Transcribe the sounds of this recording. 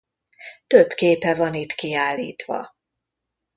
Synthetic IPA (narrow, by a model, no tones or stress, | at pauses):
t̪øbkeːpɛvɒnit̪kiaːlːḭːt̪ʋɒ̰